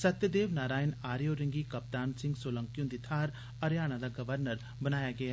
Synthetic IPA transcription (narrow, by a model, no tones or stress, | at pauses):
sɐt̪jəd̪eːʋnaːɾaːɪnaːɾijoːɾɪŋɡiːkɐpt̪aːnsɪ̃ŋɡsoːlə̃ŋkijũnd̪it̪ʰaːɾ | əɾjaːnad̪aːɡəʋəɾnəɾ | bənaːjaːɡɪa